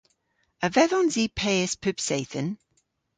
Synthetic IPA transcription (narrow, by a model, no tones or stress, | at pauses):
əvɛðɔnziːpʰɛəspʰʉpseɪθən